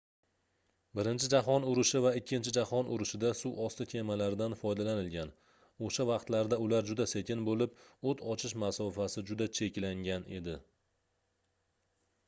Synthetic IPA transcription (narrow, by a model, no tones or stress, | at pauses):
bɪɾɪnt͡ʃʰɪd͡ʒaɦɒnʊɾɪʃɪvaɪkʲːɪnt͡ʃʰɪd͡ʒahɒnʔʊ̰ɾɪʃɪd̪asuwʔɒst̪ɪkʲʰe̞malaɾd̪anfɒjd̪alanɪlɡʲan | oʃavɑqt̪laɾd̪aʊlaɾd͡ʒʊd̪ase̞kʲɪnbolɪp̚ot̪ʰɒt͡ʃʰɪʃmasɒfasɪd͡ʒʊd̪at͡ʃʰe̞kʲlaŋɡʲane̞̰d̪ɪ